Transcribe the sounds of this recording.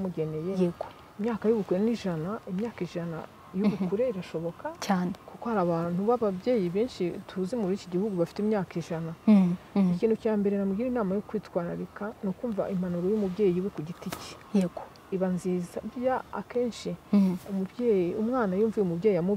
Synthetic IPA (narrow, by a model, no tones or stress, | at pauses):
muɟe̞ne̞jeeɡo | imɲaːkajuβukuɾeniʒanaimɲaːkiʒana̰ | juβukuɾe̞iɾaʃo̞βo̞kacaːnekukohaɾaβaːn̥uβaβabje̞ːjiβiːnʃithuzimuɾiciɟihuɡuβafi̥temɲaːkiʒana | iciːnhucaːmbe̞ɾenamuɡiːɾinaːmajokwiːtwaːɾaɾikanokuːɱva̰ʔim̥anuɾojumubɟe̞ːjiwe̞kuɟitici̥ | eɡo | iβanziːzaβjaa̰ke̞ːnʃiumubjejiumŋaːnajuːɱvujemubɟeːjijamu